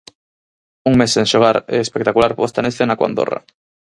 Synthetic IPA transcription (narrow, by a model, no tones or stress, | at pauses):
uŋmeseŋʃoɣ̞aɾɛ̰espekt̪akulaɾpost̪anesθenakwa̰nd̪o̰ra̰